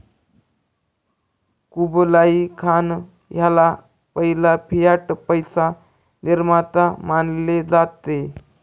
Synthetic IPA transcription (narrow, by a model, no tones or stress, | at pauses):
kublaikʰan | jala | pəilapʰijaʈpəjsa | niɾmat̪amanled͡zat̪e